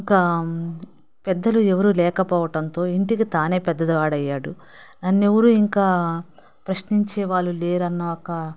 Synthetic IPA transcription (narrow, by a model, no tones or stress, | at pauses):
iŋkɐ | pɛd̪ːɐluɛʋɐɾulɛːkɐpɔːʋɐʈɐnt̪o̞ːiɳʈikit̪aːne̞ːpɛd̪ːɐd̪ɐʋaːɽɐjːaːɽṵ | nɐnːewɐɾuiŋkaː | pɾɐʃniɲt͡ʃeːʋaːɭːuleːɾɐnːɐɔkɐ